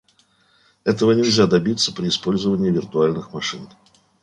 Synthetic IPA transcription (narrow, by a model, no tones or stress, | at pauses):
ɛt̪əvənʲɪlʲzʲad̪ɐbʲit̪səpɾʲɪɪspo̞lʲzəvənʲɪːvʲɪrt̪ʊalʲnɨxmɐʂɨn